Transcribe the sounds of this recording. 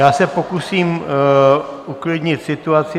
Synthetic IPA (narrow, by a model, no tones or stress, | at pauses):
jaːsɛpokusiːm | uklɪd̪ɲɪt̪sɪt̪uat͡sɪ